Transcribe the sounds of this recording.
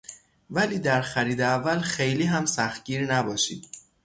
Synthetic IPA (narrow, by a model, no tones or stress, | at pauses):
væliːd̪æɾxæɾiːd̪eævːælxe̞jliːɦæmsæxt̪̚ɟ̥iːɾnæbɒːʃḭːd̪